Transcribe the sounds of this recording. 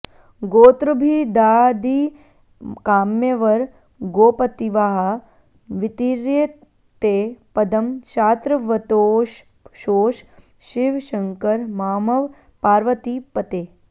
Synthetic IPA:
ɡoːt̪ɾɐbʱid̪aːd̪i | kaːmjɐʋɐɾ | ɡoːpɐt̪iʋaɦɐ | ʋit̪iːɾje | t̪eːpɐd̪ɐmʃaːt̪ɾɐʋɐt̪oʃ | ʃoːʃ | ʃiʋʃɐŋkɐɾmaːmɐʋ | paːɾʋɐt̪ipɐt̪eː

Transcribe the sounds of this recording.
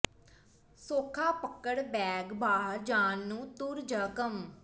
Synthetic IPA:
soːkʰaːpəkːəɽbɛːɡbaːɦəɾd͡ʒaːnːũːt̪ʊɾd͡ʒəkəm

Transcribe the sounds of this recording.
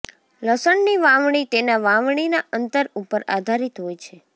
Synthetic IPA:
ləsəɳniʋãʋɳ̃it̪enaʋãʋɳ̃inaʔənt̪əɾupəɾad̪ʱaɾit̪ɦojt͡ʃʰe

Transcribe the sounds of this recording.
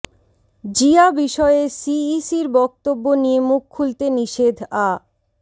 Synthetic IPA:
d͡ʑiabiʃɔeesiisiɾbɔk̚t̪obːonijemukʰːult̪eniʃed̪ʱa

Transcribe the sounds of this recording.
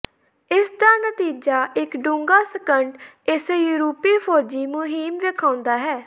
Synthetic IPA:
ɪsd̪aːnət̪iːd͡ʒaːʔɪkɖʊ̃ːŋɡaːsəkəɳʈ | ɪsejuːɾuːpiːpʰɔːd͡ʒiːmʊɦiːmʋekʰãːʊ̃nd̪aːɦɛː

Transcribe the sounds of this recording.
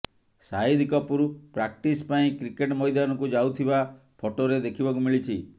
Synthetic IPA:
said̪ʱikɔpuɾupɾak̚ʈispaĩkɾikeʈmɔjd̪anɔkud͡ʒawt̪ʰiba | pʰoʈoɾed̪ekʰibɔkumiɭit͡ʃʰi

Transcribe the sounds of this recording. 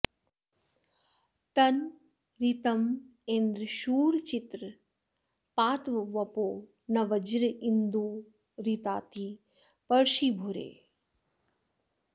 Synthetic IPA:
t̪ɐn | ɾit̪ɐm | end̪ɾəʃuːɾt͡ʃit̪ɾə | paːt̪ʋɐʋɐpoː | nɐʋɐd͡ʒɾəind̪uː | ɾit̪aːt̪i | pɐɾʃiːbʱuɾḛː

